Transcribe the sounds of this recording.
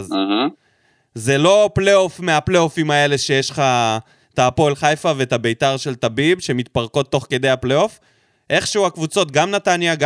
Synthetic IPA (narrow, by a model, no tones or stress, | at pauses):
z | ze̞lo̞plejo̞fmeapleofimae̞le̞ʃe̞jeʃχa | t̪aːpo̞lχajfavet̪abe̞jt̪aʁʃe̞lt̪abibʃe̞mit̪paʁko̞t̪ːo̞χke̞d̪e̞jhapleo̞f | ʔe̞χʃeuakvut͡so̞t̪̚ɡamnat̪anjaɡ